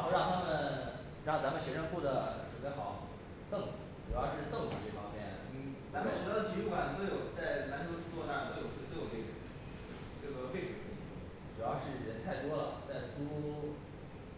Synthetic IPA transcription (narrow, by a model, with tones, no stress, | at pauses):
ɻo˥˧ɑ˥˩˧ŋt̪ʰa˥mə˨n | ɻɑ˥˩ŋt͡sa˧˥mə˨nɕɥɛ˧˥ʂə˥˧ŋku˥˩d̪ə˩ʈ͡ʂwə˨˩pe˥˩xɑ˨˩˦ʊ | t̪ɤ˥˩ŋt͡sɹ̩˨˧˩ʈ͡ʂu˨˩jɑ˥˧ʊʂɻ̩˥˧t̪ɤ˥˩ŋt͡sɹ̩˨˩ʈ͡ʂɤ˥˩fɑ˥ŋmjɛ˥˩n˥˧˥t͡sa˧˥mə˨nt͡ɕ̩˨˩˥jd̪ə˩t͡ɕʰi˧˥ɻu˥˩fa˥˩n˧t̪o˥jo˨˩ʊt͡sa˥˩ɪna˧˥nʰ˧˥t͡swɔ˥˧t̪a˥˩˨t̪o˥jo˨˩ʊ˥˧t͡so̰˨˩e˥˩˨n˥˩ʈ͡ʂɤ˥˩ɡə˩pe˥˩ɪʈ͡ʂu˨˩t̪ʰə˥˩ḭ˧˥˩ | ʈ͡ʂu˨˩jɑ˥˧ʊʂɻ̩˥˩ɻə˧˥nt̪ʰa˥˩ɪt̪wɔ˥lə̰˨˩t͡sa˥˩ɪt͡su˥